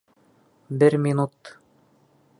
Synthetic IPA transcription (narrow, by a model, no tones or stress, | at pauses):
bɘɾmʲinut̪